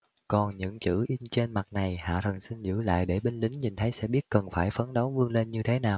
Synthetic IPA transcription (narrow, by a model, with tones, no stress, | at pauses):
kɔ˨˩nɲɨ̰˧˥ŋt͡ɕɨ̰˧˥ʔi˧nt͡ɕe˧nma˨˩t̚na˨˩jha̰ː˧˨ɾə˨˩ŋsi˧nzɨ̰˧˥la̰ː˧˨jɗe˧˩ɓe˧nlï˨˦ŋ̟ɲi˨˩nt̪ʰə˨˦jsɛ̰˧˥ɓi˦˥ət̚kə˨˩nfaː˧˩jfə˨˦nɗo˨˦wvɨ˧əŋle˧nɲɨ˧t̪ʰe˨˦naː˨˩w